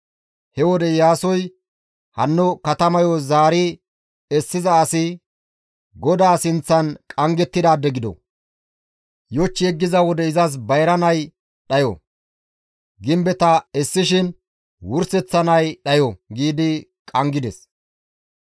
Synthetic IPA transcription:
hɛwɔd̪ɛjaːsɔj | hɐnːʊkɐt̪ɐmɐjɔzaːɾɪ | ɛsːɪzɐːsɪ | ɡɔd̪aːsɪnt͡sːɐnkʼɐŋɡɛt̪ːɪd̪aːd̪ɛɡɪd̪ɔ̰ | jɔt͡ʃːɪjɛɡːɪzɐwɔd̪ɛɪzɐs̬bɐjɾɐnɐj | ɗɐjɔ̰ | ɡɪmbɛt̪ɐɛsːɪʃɪn | wʊɾsɛt͡sːɐnɐjɗɐjɔɡiːd̪ɪ | kʼɐŋɡɪd̪ɛ̰s

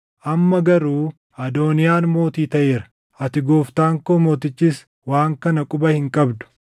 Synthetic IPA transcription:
ʔɐmːɐɡɐɾuː | ɐd̪o̞ːnɪjaːnmo̞ːt̪iːt̪ɐʔeːɾɐ̥ | ʔɐt̪ɪɡoːft̪aːŋkoːmo̞ːt̪ɪt͡ʃːiːs | waːŋkɐnɐkʼʊbɐhɪŋkʼɐbd̪ʊ̥

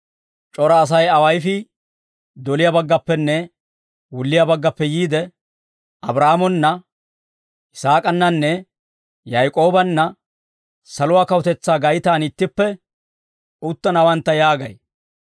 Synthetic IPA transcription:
t͡ʃʼɔɾɐːs̬ɐjɐwɐjfɪ | d̪ɔlɪjɐbɐɡːɐpːɛnːɛ | wʊlːɪjɐbɐɡːɐpːɛjiːd̪ɛ | ʔɐbɾaːmɔnːɐ | ɪsaːkʼɐnːɐnːɛ | jɐjkʼo̞ːbɐnːɐ | sɐlʊwaːkɐwʊt̪ɛt͡sːaːɡɐjɪt̪aːnɪt̪ːɪpːɛ | ʊt̪ːɐnɐwɐnt̪ːɐjaːɡɐj

